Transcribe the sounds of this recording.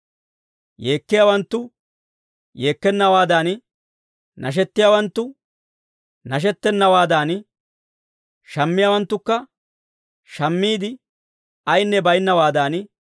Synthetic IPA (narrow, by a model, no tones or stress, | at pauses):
je̞ːkːɪjawɐnt̪ːʊ | je̞ːkːɛnːɐwaːd̪aːn | nʔɐ̰ʃ̬ɛt̪ːɪjaːwɐnt̪ːʊ | nɐʃ̬ɛt̪ːɛnːɐwaːd̪aːn | ʃɐmːɪjawɐnt̪ːʊkːɐ | ʃɐmːiːd̪ɪ | ɐjnːɛbɐjɪnːɐwaːd̪aːn